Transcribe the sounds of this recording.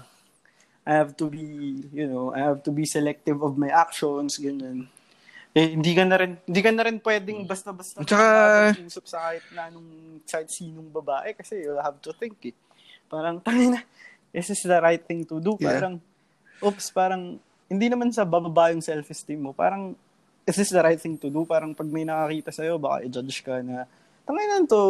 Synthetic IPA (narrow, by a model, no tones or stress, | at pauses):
ʔajhavt̪ʊbijʊnowʔa̰jhavt̪ubisɛlɛk̚t̪ɪvɔvmajʔak̚ʃonsɡɐno̞n | ʔɛhɪnd̪iːkɐnɐɾɪnhɪnd̪iːkɐnɐɾɪnpwɛːd̪ɛŋbɐst̪ɐbɐst̪ɐt͡ʃɐkauːsɐp̚sɐkaːhɪt̪̚nɐɐnoŋ | saɪt̪̚siːnoŋbɐbaːʔɛkɐsɛjʊlhavt̪ʊθɪŋkɛ | paːɾɐŋt̪ɐŋajnɐ | ʔɪsɪsd̪ɐɾajt̪̚θɪŋt̪ʊd̪upaːɾɐŋ | ʔopspaːɾɐŋ | hɪnd̪inɐmansɐbɐbɐbaːʔjoŋsɛlfɪst̪imːopa̰ːɾɐŋ | ʔɪsɪsd̪ɐɾajt̪̚θɪŋt̪ʊd̪upaːɾɐŋpɐɡ̚mɐjnɐkɐkiːt̪ɐsɐjo̞bɐka̰ʔɪd͡ʒat͡ʃkɐnɐ | t̪ɐŋajnɐnt̪o